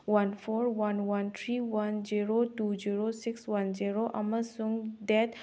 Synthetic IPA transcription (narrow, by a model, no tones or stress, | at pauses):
wanpʰɔɾwanwant̪ʰɾiwanziɾotuziɹosikswanziɾoʔaməsuŋdɛt